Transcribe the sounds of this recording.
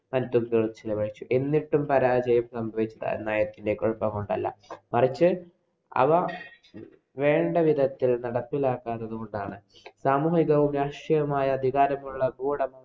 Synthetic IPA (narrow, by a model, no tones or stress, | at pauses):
mɐnt̪uɡɾurt͡ɕilɐʋɐɻit͡ɕːuʔe̞nːiʈːumpɐɾaːd͡ʑɐjɐmsɐmbʱɐʋit͡ɕːɐðɐ̰naːjɐt̪ːinde̞koɻupːɐmko̞ɳɖɐlːɐ̰mɐrit͡ɕːɨ | ɐ̰ʋɐ | ʋe̞ːɳɖɐʋid̪ʱɐt̪ːilnɐɽɐpːilaːkːaːnːɐðuɣo̞ɳɖaːɳɨ | saːmuːiɣɐʋumjaʂɐjɐmaːjɐːd̪ʱiɣaːɾɐmuɭːɐbuːɽɐmu